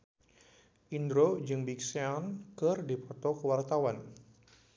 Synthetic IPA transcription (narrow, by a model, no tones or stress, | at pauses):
ʔind̪ɾod͡ʒɨŋbikseankərdipɔt̪ɔkəwart̪awan